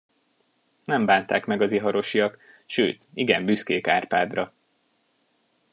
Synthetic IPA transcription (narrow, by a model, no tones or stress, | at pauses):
nɛmbaːnt̪a̰ːkmɛɡɒziɦɒɾo̞ʃijɒk | ʃø̰ːt̪iɡɛmbyskeːkaːrpaːd̪rɒ